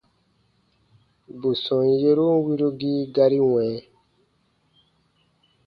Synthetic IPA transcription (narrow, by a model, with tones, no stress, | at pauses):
bo˨sɔ̃˨je˦ɾo˦wi˦ɾo˦ɡiː˦ɡa˦˧ɾi˦wɛ̃˨˦